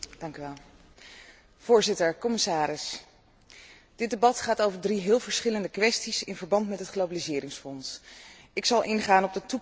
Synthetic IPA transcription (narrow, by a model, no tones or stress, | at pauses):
d̥ɑŋkyʋɛlˠ | v̥ʊːɹzɪtəɹkɔmɪsaːɾɪs | d̥ɪdebɑtχaːtowvəɹdriɦɪːlˠvəɹsχɪləndəkʋɛstisɪnvəɹbɑntmɛtɦətχlowbalizɪːɾɪŋsfɔns | ɪksɑlˠʔɪnχaːnɔb̚dətu